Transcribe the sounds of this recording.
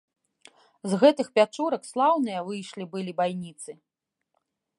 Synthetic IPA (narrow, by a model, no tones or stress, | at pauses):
zɣɛt̪ɨxpʲat͡ʂuɾɐkslˠawnɨjɐvɨjʂlʲibɨlʲibajnʲit̪sɨ